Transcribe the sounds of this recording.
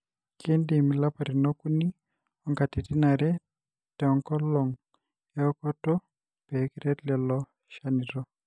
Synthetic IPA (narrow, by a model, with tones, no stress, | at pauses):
kʰe˦nde˨mi˨la˦pa˨ɾi˨nɔ˦ku˦ni˦ | ɔ˦ŋka˨ti˨ti˦na˨ɾɛ˦ | tɛ˨ɔ˨ŋkɔ˦lɔ˨ŋ | jɛ˦ɔ˦kɔ˦tɔ˦ | pɛ˨˦ki˦ɾɛ˦lɛ˨lɔ˦ | ʃa˦ni˨ɾɔ˦